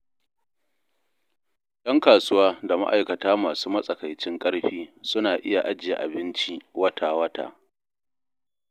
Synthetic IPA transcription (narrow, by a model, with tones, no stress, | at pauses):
dɐ˦ŋkaː˨sʊ˦waː˦da˨ma̰˦ʔa̰˨jkɐ˨taː˦maː˨suː˦mɐ˦sʼɐ˨kɐ˨jt͡ʃɪ˦ŋkʼɐ˦ɽɸiː˦sʊ˦naː˨ʔɪ˦ja˨ʔa˦d͡ʒɪ˨ja̰˨ʔa̰˨bɪ˦nt͡ʃi˦wɐ˦tʰaː˨wɐ˦ta̰ː˨